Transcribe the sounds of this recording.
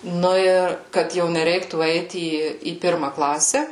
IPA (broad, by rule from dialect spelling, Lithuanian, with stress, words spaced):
ˈnʊ ɪr kɐt ˈjɛʊ nʲɛˈrʲɛɪktuː ˈɛɪt ˈiː iː ˈpʲɪrmɐ ˈklˠɑːsʲɛ